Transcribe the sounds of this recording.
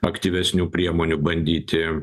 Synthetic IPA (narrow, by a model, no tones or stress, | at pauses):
ɐkt̪ʲiːʋʲɛsʲnʲuːpʲɾʲiɛmoːnʲubɐnʲd̪ʲiːt̪ʲɪ